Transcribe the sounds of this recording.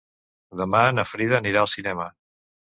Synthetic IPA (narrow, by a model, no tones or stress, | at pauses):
d̪əmaənəfɾiðəːniɾaəlˠsinɛmə